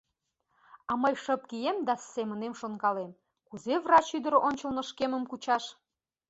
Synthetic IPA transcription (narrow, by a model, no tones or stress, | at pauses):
ɑməjʃəp̚kijemd̪ɑssemənemʃonkɑlem | kuzevrɑt͡ɕyd̪əɾʔonʲt͡ɕəlnə̆ʃkeməmkut͡ɕɑʃ